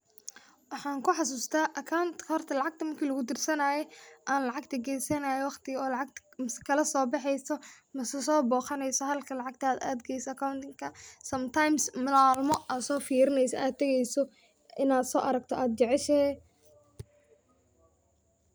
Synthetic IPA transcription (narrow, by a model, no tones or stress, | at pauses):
wɑħɑːŋkʰʊħɑs̬uːst̪ʰaːʔɐkʰawnt̪kʰɐhɔrt̪ʰɐlɑʕɑɡ̚t̪ʰɐmɐrkʰiːlɐɣʊd̪ɪrsɐnaːjɛʔaːnlɑʕɑɡ̚t̪ʰɐɡɛjsɐnaːjɛwɑχt̪ʰɪɣɔːlɑʕɑɡt̪mskʰɐlɐsɔːbɑħɛjsɔ | mɐsɐsɔːbɔːχɐnɛjsɔɦɐlkʰɐlɑʕɑɡ̚t̪ʰaːd̪a̰ːd̪ɡɛjsɔɐkʰawnt̪ɪŋkʰɐsɐmt̪ʰajmsmɪlaːlmɔʔaːd̪sɔːfiːɾɪnɛjsɐ̰ʔaːd̪t̪ʰːɛɣɛjsɔ | ɪnaːd̪sɔːʔɐɾɐɡt̪ʰɔʔaːd̪̚d͡ʒɛʕɛʃɛɛ